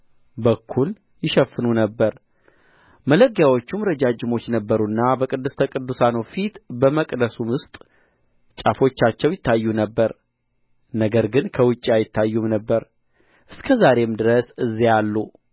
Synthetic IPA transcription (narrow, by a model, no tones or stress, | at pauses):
bəkʰːul | jɪʃəfːɨnunəbːəɾ | mələɡjawo̞t͡ʃːumɾəd͡ʒad͡ʒɪmo̞t͡ʃːnəbːəɾunːabəkʼɨd̪ːɨst̪ʰəkʼɨd̪ːusanowfit̪bəməkʼd̪əsumʊst̪ʼ | t͡ʃʼafo̞t͡ʃːat͡ʃːɛwjɪt̪ʰːajːunəbːəɾ | nəɡəɾɡɨnkʰəwʊt͡ʃʼːiajɪt̪ʰːajːumnəbːəɾ | ʔɨskʰəzaɾe̞md̪ɨɾəsɨzːijalːu